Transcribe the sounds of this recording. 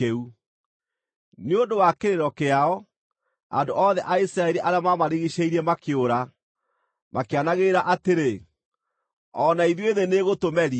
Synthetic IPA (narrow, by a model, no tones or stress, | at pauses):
eu | neondowakeɾeɾɔkeaɔ | a̰ndoʔɔðɛʔaisɾaɛɾiʔaɾeamamaɾiɣiɕeiɾɛmakeoɾa | mʔakeanaɣeɾaʔateɾe | ɔnaiðjueðeneɣotomɛɾi